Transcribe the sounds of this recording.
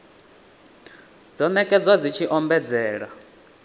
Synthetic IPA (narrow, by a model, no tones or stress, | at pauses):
d͡zɔnɛkʼɛd͡zwad͡zit͡ʃʰiʔɔmbɛd͡zɛːɺa